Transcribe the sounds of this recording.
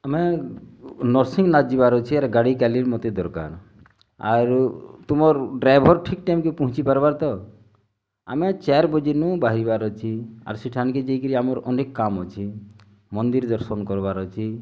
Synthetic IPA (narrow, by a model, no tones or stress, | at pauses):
ame | nɔɾsĩŋɡnad͡ʒibaɾɔt͡ʃʰiaɾɡaɽikaliɾmɔt̪ed̪ɔɾka̰ɾ | a̰ɾt̪umɔɾɖɾajbʱɔɾʈʰik̚ʈajmkepɔɦʊ̃t͡ʃipaɾbaɾt̪ɔ | a̰met͡ʃɛɾbɔd͡ʒinũbaɦɾibaɾɔt͡ʃʰia̰ɾsiʈʰanked͡ʒeikəɾiamɔɾɔ̰nekːamɦɔt͡ʃʰi | mɔnd̪iɾd̪ɔɾsɔnkɔɾbaɾɔt͡ʃʰi